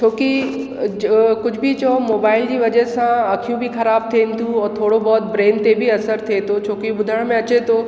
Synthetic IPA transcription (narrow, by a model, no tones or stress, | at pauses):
t͡ɕʰoːki | kʊd͡ʑʱbʱit͡ɕɔmoːbaːɪld͡ʑiːʋɐd͡ʑəsãɐkʰijũbʱixɐɾaːb̚t̪ʰiːnɪ̆t̪ʰũɔːɾt̪ʰoːɽobɔːt̪̚bɾeːnt̪ebʱiɐsəɾt̪ʰiet̪ʰot͡ɕʰoːkiɓʊd̪ʱəɽ̃mẽɐt͡ɕet̪ʰo